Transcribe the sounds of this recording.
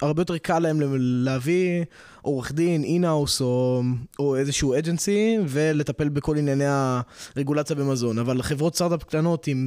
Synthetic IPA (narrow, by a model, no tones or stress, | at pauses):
ʔaʁbejot̪e̞ʁkʰalaemleleavi | ʔoʁeχd̪ininawsooezeʃuued͡ʒensive̞le̞tape̞lbeko̞linjaneaʁeɡulat͡sjabemazo̞navalχevʁo̞t̪st̪aʁt̪apkt̪ano̞t̪im